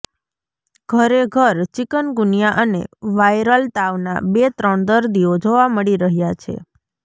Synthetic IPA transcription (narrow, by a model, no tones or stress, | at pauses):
ɡ̥ʱəɾeɡʱəɾt͡ʃikənɡunijaʔənḛʋajɾəlt̪aʋna̰bet̪ɾəɳd̪əɾd̪iod͡ʒoʋaməɭiɾəɦjat͡ʃʰḛ